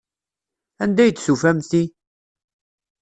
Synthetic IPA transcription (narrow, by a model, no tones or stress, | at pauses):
ænd̪æjət͡sːsufæmθi